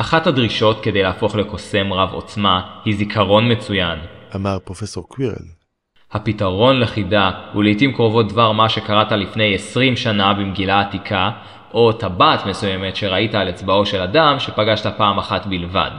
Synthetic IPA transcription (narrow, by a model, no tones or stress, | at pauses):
ʔaχathadʁiʃo̞tke̞de̞jlaːfo̞χle̞ko̞se̞mʁavo̞̰t͡smahizikʰaʁo̞nme̞t͡sujanamaʁpʁo̞feso̞ʁkwiʁḛl | hapitaʁo̞nleχidahulijtimkʁo̞vo̞t̚dvaʁmaʃe̞kaʁatalifne̞jesʁimʃanabimɡilaːtikʰa | ʔo̞tabaːtme̞sujeme̞tʃe̞ʁaitaːlet͡sbao̞ʃe̞ladamʃe̞paɡaʃtapaːmaχatbilva̰d